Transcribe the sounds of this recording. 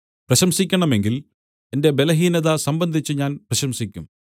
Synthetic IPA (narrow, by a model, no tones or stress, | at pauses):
prɐɕɐmsikʲːɐɳɐme̞ŋɡil | e̞nde̞be̞lɐɦiːnɐðasɐmbɐnd̪ʱit͡ɕːɨɲaːnprɐɕɐmsikʲːum